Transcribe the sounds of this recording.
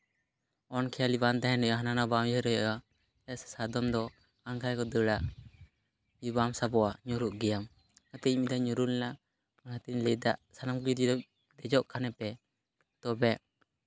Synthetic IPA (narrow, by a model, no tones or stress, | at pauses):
ɔnkʰɛjalibant̪aɦɛ̃nɛʔaɦananabawjɛɾɛjɔʔa | ɛsɛ̥sad̪ɔmd̪ɔ | aŋkʰajkɔd̪əɽaʔ | jubamsabɔaɲɔɾuʔɡɛjam | kat̪ɛmid̪aɲuɾulna | ɔnhat̪iɲlɛd̪aʔsanamkliɾid̪ɔ | d̪ɛd͡ʒɔʔkanɛpɛ | t̪ɔbɛʔ